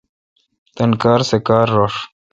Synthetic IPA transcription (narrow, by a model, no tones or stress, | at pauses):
t̪ɐnkaːɾsekaːɾːoːʂ